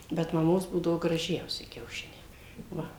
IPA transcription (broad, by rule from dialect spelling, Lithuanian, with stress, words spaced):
bʲɛt mɐˈmoːs ˈbuːdɐʋoː ɡrɐˈʒʲɛʊsʲɪ kʲɛʊˈʃʲɪnʲɛɪ ˈʋɐ